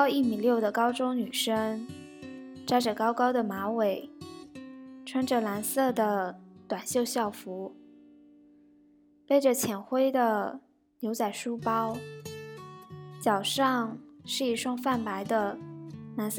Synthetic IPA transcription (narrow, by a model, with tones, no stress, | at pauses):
i˥˩mi˨˩ljo˥˩ʊd̪ə˩kɑ˥ʊʈ͡ʂʊ˥ŋny˨˩ʂə˥ŋ | ʈ͡ʂa˥ɪʈ͡ʂɤ˨˩kɑ˥ʊkɑ˥ʊd̪ə˨˩ma˧˥we˧˩ɪ | ʈ͡ʂʰwə˥nʈ͡ʂə˩la˧˥nsɤ˥˩d̪ə˩t̪wa˨˩nɕjo˥˧ʊɕjɑ˥˩ʊfu˧˥ | pe˥˩ɪʈ͡ʂə˨t͡ɕʰjɛ˧˩nxwe˥ɪd̪ə˨ | ljo˧˥ʊt͡sa˨˩ɪʂu˥pɑ˥ʊ | t͡ɕjɑ˨˩ʊʂɑ˥˧ŋʂɻ̩˥˩i˥˩ʂwɑ˥ŋfa˥˩npa˧˥ɪd̪ə˧la˧˥ns